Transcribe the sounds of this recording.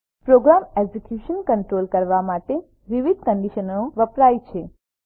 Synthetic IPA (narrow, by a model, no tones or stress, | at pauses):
pɾoɡɾamed͡ʒikjuʃənkəɳʈɾolkəɾʋamaʈe | ʋiʋid̪̚kəɳɖiʃənːõʋəpɾajt͡ʃʰe